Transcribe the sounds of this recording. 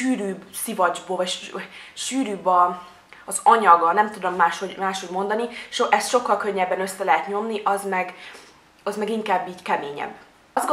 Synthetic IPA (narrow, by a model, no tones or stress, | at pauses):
ʃyːɾyːbsivɒd͡ʒboːvɒcʃʃyːɾyːbɒ | ɒzɒɲɒɡɒnɛmt̪ud̪omːaːʃhoɟmaːʃho̞ɟmo̞nd̪ɒniʃoʔɛst̪ʃo̞kːɒlkøɲːɛbːɛnø̞sːɛlɛɦɛt̪ɲo̞mniʔɒzmɛɡ | ɒzmɛɡiŋkaːbːiːckɛmeːɲɛ̰b | zɡ